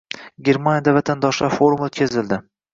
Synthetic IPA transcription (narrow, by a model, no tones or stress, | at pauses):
ɡʲe̞ɾmanjad̪avat̪ʰand̪ɒʃlafoɾmlt̪kʲʰezɪld̪ɪ